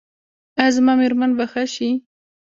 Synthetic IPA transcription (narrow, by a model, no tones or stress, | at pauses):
azmɑmeɾmanbaxaʃi